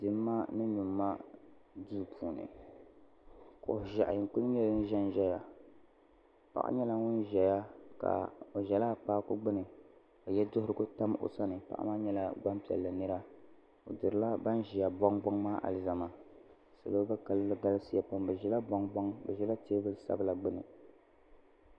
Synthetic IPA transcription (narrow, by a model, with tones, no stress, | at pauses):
dɨ˨˦mː˦a˦nɨ˦nu˨mː˦a˦du˦˨pʰuː˨nɨ̰˨ | ko˨ʒa˨ʔjɪ˨ŋkʊ˦lɲɛ˦ln˦ʒɛ˦n˨ʒɛ˦ja˨ | pa̰˦ʔa̰˦ɲɛ˦la˦ŋʊ˦nʒɛ˨ja˦ka̰˨o˨ʒɛ˨laː˦k͡paː˦kʊ˦ɡ͡bɨ˦nɨ˨ | a˨jɛ˦dʊ˦hʊ˦ɾɨ˦ɡʊ˦ta˦m˦o̰˨sa˦nɨ˨pa̰˨ʔa̰˦maː˦ɲɛ˦la˦ɡ͡ba˦mpi˨ɛ̰˨lːɨ˨nɨ˦ɾa˦ | o˨dɨ˨ɾɨ˨la˦ba˦n˦ʒi˨ja˨bɔ˦ŋbɔ˦ŋmaː˦ʔa̰˨lɨ˨za˨ma˨ | sa˨bɨ˦ba˦ka˦llɨ˦ɡa˦lɨ˦si˦ja˨pa˦mbɨ˨ʒɛ˦la˦bɔ˦ŋbɔ˦ŋbɨ˨ʒɛ˦la˦teː˦bɨ˦lsa̰˦bɨ˦la˨ɡ͡bɨ˦nɨ̰˨